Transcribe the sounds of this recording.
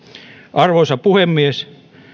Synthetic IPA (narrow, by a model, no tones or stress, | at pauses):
ʔɑrʋosɑpuhemːies